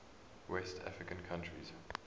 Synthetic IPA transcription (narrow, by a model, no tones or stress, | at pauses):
wɛstʰa̰fɹɪkə̃nkʰãntɹḭz̥